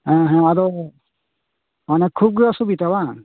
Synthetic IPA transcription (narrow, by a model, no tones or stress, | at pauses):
ãɦɛ̃madɔ | manɛkʰub̚ɡasubitaba